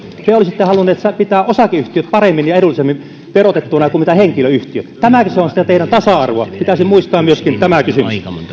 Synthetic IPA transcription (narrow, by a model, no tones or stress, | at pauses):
t̪eolisit̪ːehɑlunːˑet̪sæpit̪æːʔosɑkeyht̪iøt̪pɑremːinjɑeɾulːisemːin | perot̪et̪ːunɑjkummit̪æheŋkiløyht̪iø̰t̪t̪æmækiseonsit̪et̪eˑiɾænt̪ɑsɑɑrʋoɑpit̪æsimmuist̪ɑːmmyøskint̪æmækysymys